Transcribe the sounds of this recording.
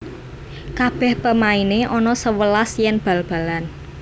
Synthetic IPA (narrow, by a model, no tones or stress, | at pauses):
kab̥ɛ̤hpəmaineʔɔnɔsəwəlasjɛnb̥ä̤lb̥ä̤lan